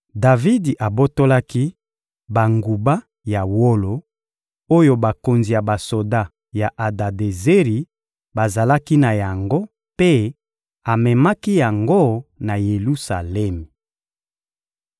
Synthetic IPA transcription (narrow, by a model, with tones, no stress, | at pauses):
da˨vi˦di˨ʔa˨bo˦to˦la˦ki˦ | ba˨ŋɡu˨ba˦ | ja˨wo˦lo˨ | o˦jo˦ba˨ko˨nzi˨ja˨ba˨so˨da˦ | ja˨ʔa˨da˨de˨ze˦ʁi˨ | ba˨za˨la˦ki˦na˨ja˨ŋɡo˦ | pe˦ | a˨mɛ˨ma˦ki˦ja˨ŋɡo˦na˨je˨lu˦sa̰˨lɛ˦me˨